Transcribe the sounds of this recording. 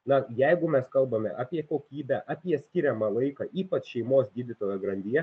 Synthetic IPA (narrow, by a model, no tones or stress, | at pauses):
nɐjɛɪɡʊmʲɛskɐlˠbɐmʲɛ̰ʔɑːpʲiɛkoːkʲiːbʲæʔɑpʲiɛsʲkʲɪɾʲɛmɑːlˠɐɪkɑːʔiːpɐt͡ʃʃʲɛɪmoːsɡʲiːd̪ʲɪt̪oːjoːɡɾɐnʲd̪ʲiɛ